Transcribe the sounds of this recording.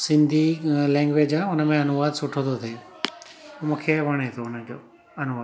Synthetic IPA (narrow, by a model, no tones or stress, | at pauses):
sɪ̃nd̪ʱilɛ̃ːŋɡʋed͡ʑaʊnəmẽɐnuʋaːd̪sʊʈʰot̪ʰot̪ʰeː | mũkʰeʋɐɽ̃et̪ʰoʊnəd͡ʑoː | ɐnʊʋaː